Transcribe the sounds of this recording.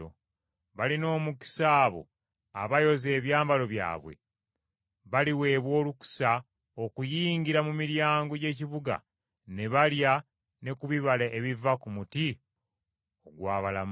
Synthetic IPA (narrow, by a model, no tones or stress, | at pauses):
o̰ | βalino̞ːmuki̥saːβo̞̰ | aβajo̞ze̞ːβjaːmbalo̞βja̰ːβwe̞̰ | βaliwe̞ːβwo̞ːluku̥sa | okujiːŋɡiɾamumiɾjaːŋɡo̞ɟe̞ːciβuɡa̰ | ne̞βalja | ne̞kuβiβalaʔeβivakumuti | oɡwaːβalam